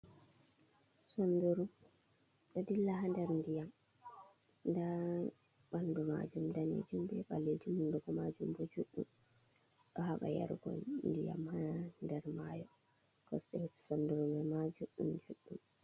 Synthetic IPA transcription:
sɔnduɾum | ɗɔdilːaɦandɛɾndijam | nda | ɓanduma̰d͡ʒumdanḛd͡ʒumbɛɓaled͡ʒumunduɡɔmad͡ʒumbɔd͡ʒuɗːum | ɗɔɦaɓa̰ja̰ɾɡɔ̰nndija̰mhandɛɾmajɔ | kɔsɗɛhɛti̥sɔnduɾumɛmad͡ʒuɗːumd͡ʒuɗːum

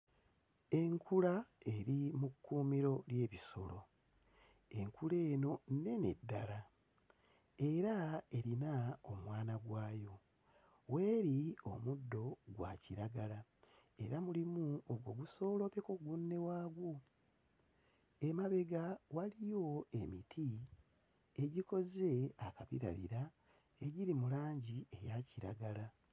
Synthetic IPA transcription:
e̞ŋkʰulae̞ɾimukːuːmiɾo̞lje̞ːβiso̞̰lo̞̰ | e̞ŋkule̞ːno̞ne̞nḛdːala | eɾaeɾinaomwaːnaɡwaːjo̞ | we̞ːɾio̞̰mudːo̞ɡwa̰ciɾaɡala | e̞ɾamulimuoɡwo̞ɡuso̞ːlo̞pekoɡunːe̞waːɡwo | e̞maβe̞ɡawalijo̞e̞mitʰi | eɟiko̞ze̞akaβḭɾa̰βḭɾa | e̞ɟiɾimulaːɲɟie̞jaciɾa̰ɡala

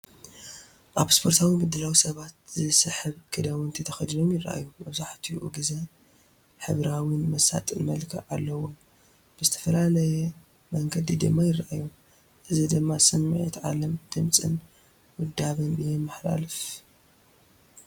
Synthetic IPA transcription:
ʔaβspʰoɾt̪ʰawimɨd̪ːɨlawisɐβat̪̚zɨsɨħɨβkʰɨd̪awɨnt̪ʰɐt̪ʰɐxɐd̪ɨnomjɪraʔa̰jːumɐβzaħt̪ʰiʔṵɡɨzɐ | ħɨβɾawinmɐsa̰t̪ʼɨnmɐlkʰɐ̰ʕalːɐwom | b̥ɨzɨt̪ʰɐfɐlalɐjɛ | mɐŋɡɐd̪id̪ɨmːajɪrːaʔajːu | ʔɨzid̪ɨmːasɨmːɨʕit̪ʕalɐmd̪̥ɨmt͡sʼɨ̰n | wʊd̪ːaβɐnbɨjɛmːɨħla̰lɨf

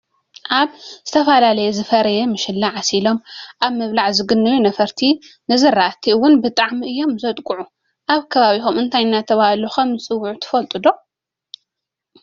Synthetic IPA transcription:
ʔaβz̥ɨt̪ʰɐfɐlalɐjɛzɨfɐɾɐjɛmɨʃɪlːaʕasilo̞mʔaβmɨβlaʕzɨɡɨnːɨjunɐfɐɾt̪ʰi | nɨzɨrːat̪ʰiɨwʊnbɨt̪ʼaʕmiʔɨjːo̞mzɐt̪ʼkʼuʕu | ʔaβkʰɐβaβixomʔɨnt̪ʰajnːat̪ʰɐβahaloxɐmɨsʼɨwːuʕut̪ʰɨ̥fɐlt̪ʼɨd̪o̞

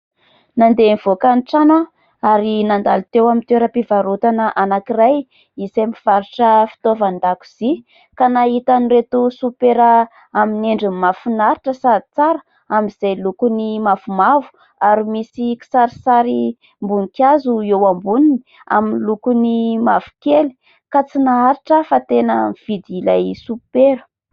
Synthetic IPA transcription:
nand̪emiv̥okanʈ͡ʂana | aɾinand̪alit̪ewamint̪eɾəpivaɾut̪anəʔanakiraj | isemiv̥aɾiʈ͡ʂəfi̥t̪ovand̪aku̥z̥i | kanaɦit̪aniɾet̪usupeɾə | amineɳɖ͡ʐimafunaɾiʈ͡ʂəsad̪it͡saɾə | amiz̥ejlukunimafumavu̥ | aɾimisiki̥saɾisaɾi | mbunikjazuewambunini | a̰minlukunimavu̥keli̥ | kat͡sinaaɾiʈ͡ʂəfat̪enəmiv̥id̪ilajsupeɾə̥

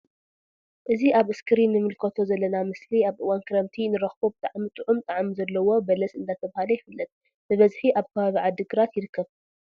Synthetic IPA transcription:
ʔɨziʔaβɨskʰɨɾinːɨmɨlkʰɐt̪ʰo̞zɐlːɐnamɨsliaβʔɨwankʰɨɾɐmt̪ʰinɨɾɐxbobt̪ʼaʕmit̪ʼɨʕumt̪ʼaʕmizɐlːɐwo̞bɐlɐsɨnd̪at̪ʰɐβahalɐjɪfɨlːɨt̪̚ | bɨβɐzħiʔaβkʰɐβaβiʕad̪ɨɡɨɾat̪jɪɾɨkːɐβ

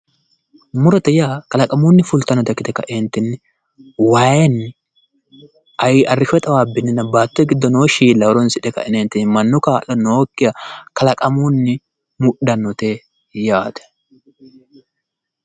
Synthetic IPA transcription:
mʊɾɔt̪ɛjaːkɐlɐkʼɐmuːnːɪfʊlt̪ɐnːɔt̪ɛkːɪt̪ɛkɐ̰ʔɛnt̪ːɪnːɪ | waːjɛn | ʔɐjɪʔɐrːɪʃɛt̪ʼɐwaːbːɪnːɪnɐbaːt̪ːʊɛɡɪd̪ːɔnoːʃiːlːɐwɾɔnsɪᶑ̪ɛkɐ̰ɛneːnt̪ːɪnːmɐnːʊkaːʔɐnoːkːɪjɐkɐlɐkʼɐmuːnːɪ | mʊɗɐnːɔt̪e | jaːt̪ɛ̥

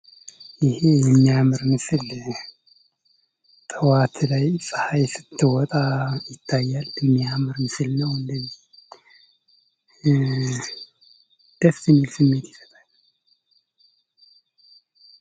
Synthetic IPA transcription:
jɪhejɛmːijamɨɾmɨsɨl | t̪ʼəwat̪ʰlajsʼɨ̥hajsɨ̥t̪ʰːɨwɔt̪ʼajɪt̪ʰːajːalmːijamɨɾmɨsɨlnəwɨnd̪əzih | d̪̥əst̪ɨmːilsɨmːe̞t̪jɪ̥sə̥t̪ʼalː

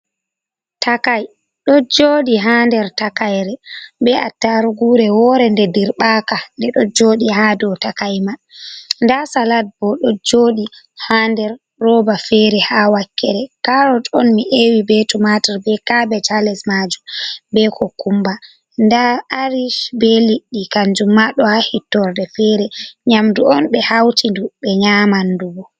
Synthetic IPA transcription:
takaj | ɗɔd͡ʒoːɗiɦandɛɾtakajɾɛbɛatːaɾuɡuɾɛwɔɾɛndɛdiɾɓakandɛɗɔd͡ʒoːɗiɦaːdɔtakajmandasalat̚bɔɗɔd͡ʒoːɗi | handɛɾː | ɔbafɛɾɛhawakːɛɾɛkaɾɔtɔnmiʔewibetumataɾbɛkabɛtalɛsmad͡ʒumbɛkɔkumba | ndaaɾiʃbɛliɗːikand͡ʒumːaɗɔhahitːɔɾdɛfɛɾɛɲamduɔnɓɛhawtinduɓɛɲaːmanduɡɔ

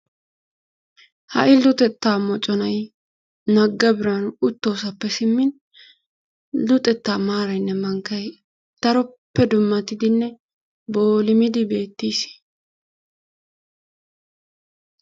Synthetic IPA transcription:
hɐ̰ʔɪlʊt̪ʼɛt̪ːaːmɔt͡ʃʼɔnɐj | nɐɡːɐbɪɾanʊt̪ːo̞ːsɐpːɛsɪmːɪn | lʊt̪ʼɛt̪ːaːmaːɾɐjnːɛmɐŋkɐj | t̪ɐɾɔpːɛd̪ʊmːɐt̪ːɪd̪ɪnːɛ | bo̞ːlɪmɪd̪ɪbe̞ːt̪ːiːs

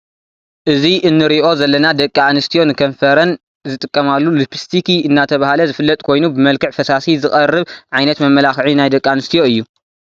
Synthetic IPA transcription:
ʔɨziʔɨnːɨɾiʔo̞zɐlːɐnad̪ɐkʼːianɨst̪ʰijo̞nɨkʰɐnfɐɾɐn | zɨt̪ʼɨkʼːɐmalːulupʰi̥st̪ʰikiɨnːat̪ʰɐβahalɐzɨfɨlːɐt̪ʼkʰo̞jnubɨmɐlkɨʕfɐsasizɨχʼɐrːɨβʕajnɐt̪mɐmːɐlaxʕinajd̪ɐkʼːanɨst̪ʰijo̞ɨjːu

